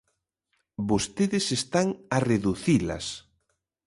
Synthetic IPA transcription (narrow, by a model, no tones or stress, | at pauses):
bost̪eðɪsest̪aŋɐreðuθilɐ̰s